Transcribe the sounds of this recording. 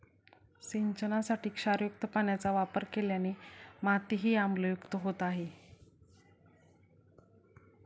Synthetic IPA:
siɲt͡ɕənasaʈiːkʂaɾjuk̚t̪əpaɳjat͡saʋapəɾkeljanimat̪iɦiːamləjukt̪əɦot̪aɦe

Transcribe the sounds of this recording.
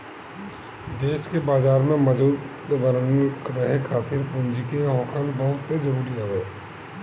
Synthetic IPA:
d̪eːʃkebaːzaːɾmẽmɐd͡ʒuːd̪ | ʋəɾnɾəɦekʰaːt̪ɪɾpʊ̃nd͡ʒikeɦoːkʰəlbəɦʊt̪ːed͡ʒɐɾuːɾiɦoːʋeː

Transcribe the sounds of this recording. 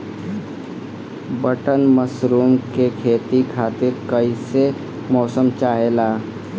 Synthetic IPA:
bəʈənməsɾuːmkekʰeːt̪ikʰaːt̪ɪɾkəise | mɔːsəmt͡ʃaːɦelaː

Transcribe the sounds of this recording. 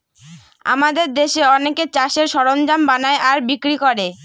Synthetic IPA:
a̰mad̪eɾd̪eʃeɔneket͡ɕaʃeɾʃɔɾond͡ʑambanaeʔaɾbikɾikoɾe

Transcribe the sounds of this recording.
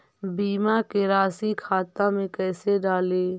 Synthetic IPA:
biːmakeɾaːsikʰaːt̪amẽkɛːseɖaːleː

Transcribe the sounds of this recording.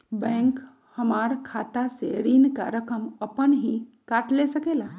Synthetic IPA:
bɛ̃ŋk | həmaɾkʰat̪aseɾinka̰ɾəkəməpənɦikaʈlesəkela

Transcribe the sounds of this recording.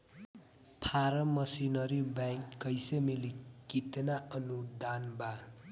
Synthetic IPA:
pʰaɾʌmʌsinʌɾibajŋkːʌjsemilikit̪naʌnud̪anba

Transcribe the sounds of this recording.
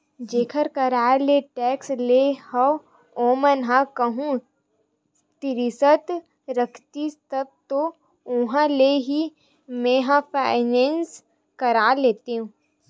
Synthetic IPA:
d͡ʒeːkʰəɾkəɾaːleʈɛːkslehə | oːmənɦãkəɦũ | t̪ɪɾɪsət̪ | ɾəkʰt̪ist̪əb̚t̪o | ʊ̃ɦãleɦi | mẽɦãpaːɪnẽːns | kɐɾaːleːt̪eɦũː

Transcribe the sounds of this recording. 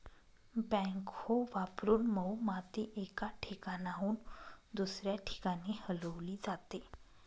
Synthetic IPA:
bɛ̃ŋkhoʋapɾuːnməwmat̪iʔekaʈʰikanaɦuːnd̪usɾjaʈʰi̥kanihələʋliːd͡zat̪e

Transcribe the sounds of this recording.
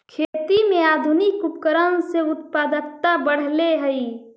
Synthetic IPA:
kʰeːt̪imẽaːd̪ʱunikupkəɾənseʊt̪paːd̪əkt̪abəɽ̤leɦəi

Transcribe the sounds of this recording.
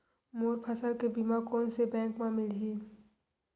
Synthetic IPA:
moːɾpʰəsəɾkebimakoːnsebɛ̃ːŋkmãmɪlɦiː

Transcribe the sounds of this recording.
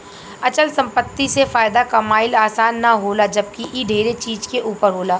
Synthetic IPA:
ɐt͡ʃəlsɐ̃mpət̪ːisefaːɪd̪akɐmaːɪlaːsaːnːaɦoːlad͡ʒɐb̚kiʔiɖʱeːɾet͡ʃiːd͡ʒkeʔuːpəɾɦoːlaː

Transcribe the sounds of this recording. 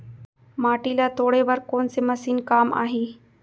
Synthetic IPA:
maːʈiːlat̪oːɽeʋɐɾkoːnsemɐsiːnkaːma̰ːɦiː

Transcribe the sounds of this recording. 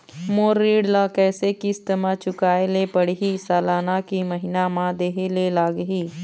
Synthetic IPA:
moːɾːiːɽlakɛːsekist̪əmat͡ʃʊkaːelepəɽɦisaːlaːnakiməɦɪnamãd̪eːɦelelaːɡɦiː

